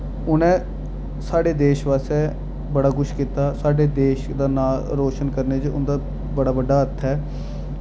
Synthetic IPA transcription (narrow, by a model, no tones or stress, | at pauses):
ʊnɛ̃ː | saːɖeːd̪eːʃʋaːseː | bəɽaːkʊʃkiːt̪aːsaːɖeːd̪eːʃd̪aːnaːlɾoːʃənkəɾneːt͡ʃʊ̰nd̪aː | bəɽaːbəɖːaːət̪ʰːɛː